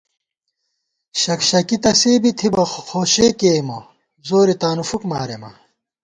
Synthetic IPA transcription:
ɕɐkɕɐkit̪ɐseːbit̪ʰibɐxoːɕeːkeːmo | zoːɾet̪aːnufukmaːɾḛmɐ̰

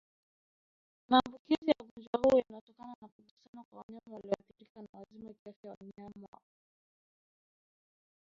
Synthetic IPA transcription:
maːmbukizijaɠɔnd͡ʒwahuːjanaɔtɔkananakukusianakwawaɲamawaliɔaθiɾikanawazimakiafawa̰ɲamwa̰

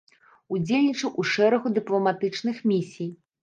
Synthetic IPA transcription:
ud͡zʲelʲnʲit͡ʂɐwʔuʂɛɾɐɣud̪ɨplˠɐmat̪ɨt͡ʂn̪ɨxmʲisʲij

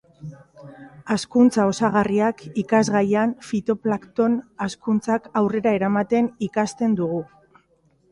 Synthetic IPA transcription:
askunt͡sao̞saɣariakikazɣajanfit̪o̞plakt̪o̞naskunt͡sakawre̞ɾae̞ɾamat̪e̞nikast̪e̞nd̪uɣ̞u

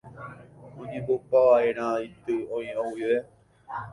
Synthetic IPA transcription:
õɲẽmbopaʋaeɾ̃ãit̪ɨõĩõwiʋe

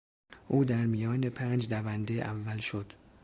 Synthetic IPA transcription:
ʔuːd̪æɾmijɒːne̞pʰæːnd͡ʒdævænd̪eʔævːælʃod̪̥

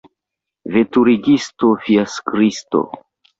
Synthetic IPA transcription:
vetuɾiɡistofiaskɾisto̰

